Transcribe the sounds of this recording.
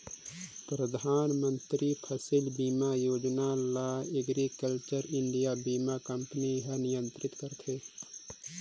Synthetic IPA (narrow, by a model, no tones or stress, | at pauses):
pɾəd̪ʱaːnmə̃nt̪ɾipʰəsɪlbiːmajoːd͡ʒnalaeɡɾikəlt͡ʃəɾɪɳɖijabiːmakəmpəniɦɛnɪjə̃nt̪ɾɪt̪kəɾt̪ʰeː